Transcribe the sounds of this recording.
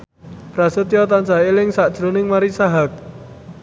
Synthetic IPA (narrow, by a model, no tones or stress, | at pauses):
pɾasət̪jɔt̪ant͡ʃaɦelɪŋsad̥ʒ̥ɾonɪŋmaɾisaɦak̚